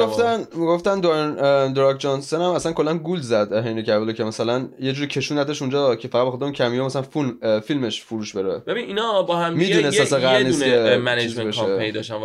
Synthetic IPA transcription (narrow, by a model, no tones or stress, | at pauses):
iɡoft̪ænmiɡo̞ft̪ænd̪oend̪ɾɒkʰd͡ʒɒnsonæmæsænkʰo̞lːænɡulzæd̪ɦejnecævelocʰemæsælænje̞d͡ʒuɾicʰe̞ʃuːnæd̪eʃund͡ʒɒːcʰe̞fæʁæd̪bexod̪emuːncʰæmijomæsælænfulmfilme̞ʃfuɾuːʃbeɾebebininɒbɒhæmmiːd̪unesæseɣæɾnissemænezebeʃeeid̪ɒʃæn